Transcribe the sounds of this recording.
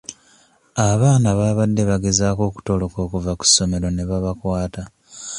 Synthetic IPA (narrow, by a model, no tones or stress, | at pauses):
aβaːnaβaːβadːe̞βaɡe̞zaːko̞ːku̥to̞lo̞ko̞ːkuvaku̥sːo̞me̞ɾo̞neβaβakwaːta